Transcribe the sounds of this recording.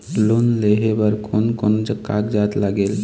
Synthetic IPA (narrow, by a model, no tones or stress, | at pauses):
lonleɦebəɾkʰonkond͡ʒəkːakd͡ʒat̪laɡel